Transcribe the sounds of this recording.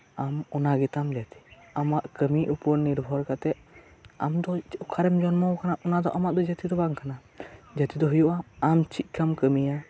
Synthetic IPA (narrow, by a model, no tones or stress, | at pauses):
amɔnaɡɛt̪amd͡ʒat̪i̥amaʔkəmiʔupɔɾniɾbʱɔɾkat̪ɛʔa̰md̪ɔkʰaɾɛmd͡ʒɔnmɔwkʰanaʔɔnad̪ɔʔamaʔd̪ɔd͡ʒət̪id̪ɔbaŋkʰana | d͡ʒat̪id̪ɔɦujuʔaamt͡ʃʰit̪̚ˀkʰamkəmija